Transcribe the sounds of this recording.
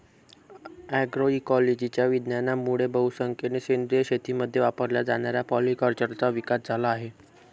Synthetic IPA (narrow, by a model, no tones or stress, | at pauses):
æɡɾoikɔled͡ʑit͡ɕjaʋid̪njanamuɽebəwsəŋkʰenesend̪ɾijəɕet̪iməd̪ʱːjeʋapəɾljad͡zaɽ̃aɾjapɔlikəɾt͡ɕəɾt͡saʋikasd͡zʱalaːɦe